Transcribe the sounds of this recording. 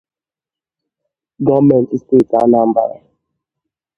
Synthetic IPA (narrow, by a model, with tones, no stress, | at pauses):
ɡɔ˦mɛ˨n˨tste˦˨ta̰˦na˦˨m̩˦ba̰˨ɾa˨